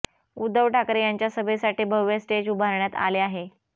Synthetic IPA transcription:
ud̪ʱːəʋʈʰakɾejaɲt͡ɕjasəbʱesaʈiːbʱəʋːjəsʈed͡ʑubʱaɾɳjat̪a̰leaɦe

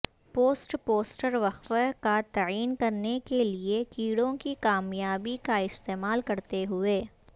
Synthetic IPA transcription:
poːsʈpoːsʈəɾʋɐxfəkat̪ɐiːnkɐɾnekeliekiːɽõkikaːmjaːbikaɪst̪eːmaːlkɐɾt̪eɦʊeː

